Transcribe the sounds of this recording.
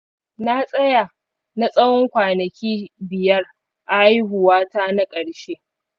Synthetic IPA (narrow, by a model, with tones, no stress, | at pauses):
na˦sʼɐ˦ja˨ | na˦sʼɐ˦wɔ˦ŋkʷaː˨nɐ˨kʲiː˦bɪ˨jɐ˦r | ʔa˨˦ji˦ɦʊ˨waː˦taː˦na˦kʼɐ˨ɽʃe˦ʔ